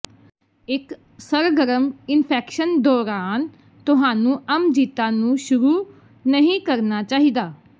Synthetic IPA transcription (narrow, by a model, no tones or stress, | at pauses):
ɪk | səɾɡəɾəmɪnpʰɛːkʃənd̪ɔːɾaːn | t̪ʊɦãːnũːəmd͡ʒiːt̪aːnũːʃʊɾuː | nəɦĩːkəɾnaːt͡ʃaːɦid̪aː